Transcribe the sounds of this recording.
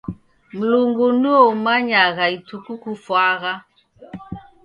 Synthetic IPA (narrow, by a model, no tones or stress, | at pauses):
m̩luŋɡunuomaɲaɣaitukukufwaɣa